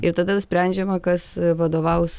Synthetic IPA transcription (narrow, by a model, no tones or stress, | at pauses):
ɪɾt̪ɐd̪ɐnʊsʲpʲɾʲɛnʲd͡ʒʲɛmɐkɐsʋɐd̪oːʋɐʊs